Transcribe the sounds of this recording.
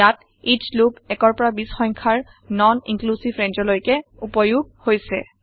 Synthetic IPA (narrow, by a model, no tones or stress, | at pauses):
jat | it͡ʃlubɛkɔɹpɔɹabisxɔjŋkʰaɹ | nɔnḭŋklusibʱɹɛnd͡ʒɔlojkɛupɔjuɡ̚hojsɛ̰